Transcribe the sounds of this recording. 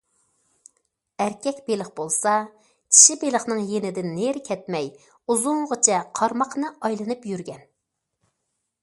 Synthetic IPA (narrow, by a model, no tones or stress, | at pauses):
æɾkʲɛkʲbelˠəχbolˠsɑ | t͡ʃʲʰi̥ʃibelˠəχnɨŋjenɪd̪ɪnːeɾkʲʰɛt̪mɛj | uzʊŋʁət͡ʃʰɛqʰɑɾmɑqnɨʔɑjlˠɨnɨpjyɾɡʲɛn